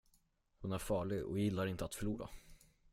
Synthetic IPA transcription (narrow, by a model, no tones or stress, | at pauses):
hʊnæɾfɑːɭɪɡɔ̰jɪlːaɾɪnt̪əat̪fœɭuːɾa̰